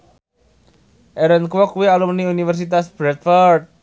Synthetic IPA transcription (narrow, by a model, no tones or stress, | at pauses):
ʔɛɾənkwɔkuwialumniunifərs̬it̪asb̥ɾɛt̪̚fɔrt̪̚